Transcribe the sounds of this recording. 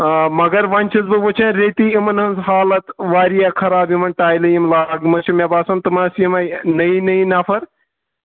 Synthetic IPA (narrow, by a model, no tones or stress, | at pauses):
mɐɡɐɾʋɐnʲt͡ʃʰizbɨʋot͡ʃʰɐnɾeːt̪iːimɐnɦɐnzɦaːlɐt̪ʋaːɾijakʰɐɾaːbjimɐnʈaːjlɐjimlaːɡmɐt͡ʃʰimʲebaːsɐnt̪ɨmaːsijimɐnɐinɐinɐfʰɐɾ